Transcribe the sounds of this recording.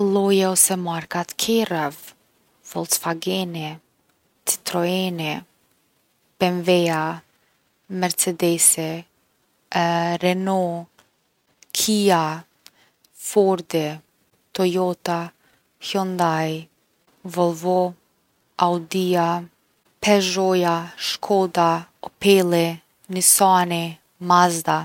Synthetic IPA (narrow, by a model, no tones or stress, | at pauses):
lˠɔjawsɛmaɾkat̪kʰɛɾav | vɔlsfaɡɛnɛ | t͡si̥t̪ɾɔɛnɛ | pɛnvɛa | mɛɾt͡sɛd̪ɛsɛ | ɾɛnɔ | kʰia | fɔɾd̪ɛ | t̪ɔjɔt̪a | çɔnd̪aj | vɔlˠvɔ | awd̪ia | pʰɛʒɔjaʃkʰɔd̪aɔpelɛ | nisɑnɛ | mazd̪a